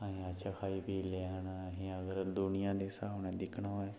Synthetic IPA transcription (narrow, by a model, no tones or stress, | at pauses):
aɦĩːətːʃʰaːkʰaːiːpiːleːɦənɦẽːəɡəɾd̪ʊnɪjãːd̪eːsaːʋnɛ̃ːd̪ɪkʰɳːɦoː